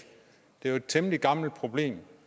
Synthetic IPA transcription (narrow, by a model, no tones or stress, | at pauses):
d̥e̝ʋe̝d̥̚t͡sʰemliɡ̥ɑ̈ml̩d̥̚pʰʁo̝b̥le̝̰ːm